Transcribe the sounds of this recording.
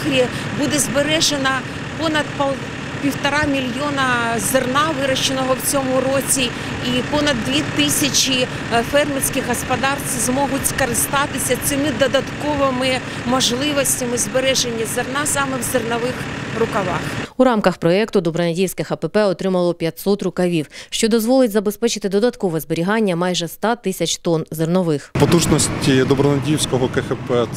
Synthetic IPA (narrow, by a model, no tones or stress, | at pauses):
xɾʲibud̪ɛzbeɾɛʒenɐ | pɔnɐd̪pɐ | pʲiwt̪ɐɾɑmʲilʲjɔnɐzernɑʋɪɾɐʃt͡ʃenɔɦɔwt͡sʲɔmʊɾɔt͡sʲi | ipɔnɐd̪ːʋʲit̪ɪsʲɐt͡ʃi | fɛrmʲisʲkɪxɦɔspɐd̪ɑrt͡sʲzmɔɦʊtʲskɐɾɪst̪ɑt̪ɪsʲɐsɪmɪd̪ɔd̪ɐt̪kɔʋɔmɪ | mɔʒlˠɪʋɔsʲtʲɐmɪzbeɾɛʒenʲːizernɑsɑmɛwzernɐʋɪxrʊkɐʋɑxuɾɑmkɐxpɾɔɛkt̪ʊd̪ɔbɾɐnɐdʲijwsʲkɪxɐpɛpɛɔt̪ɾɪmɐlˠɔpʲjɐtʲsɔt̪rʊkɐʋʲiwʃt͡ʃɔd̪ɔzʋɔlˠɪtʲzɐbespɛt͡ʃɪt̪ɪd̪ɔd̪ɐt̪kɔʋɛzbeɾʲiɦɑnʲːɐmɑjʒɛst̪ɑt̪ɪsʲɐt͡ʃt̪ɔnzernɔʋɪxpɔt̪uʒnɔsʲtʲid̪ɔbɾɔnɐdʲiwsʲkɔɦɔkɛxɛpɛ